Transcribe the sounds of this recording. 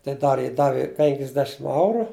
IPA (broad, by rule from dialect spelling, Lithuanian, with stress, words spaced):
tɐɪ ˈdɐr jɪ ˈdɑːʋʲɪ ˈpʲɛŋʲkʲɪzʲdʲɛʃʲɪm ˈɐʊrʊ